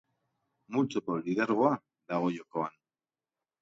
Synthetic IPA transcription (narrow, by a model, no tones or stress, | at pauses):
mult͡sokoliðeɾɣoa | d̪aɣo̞jokoan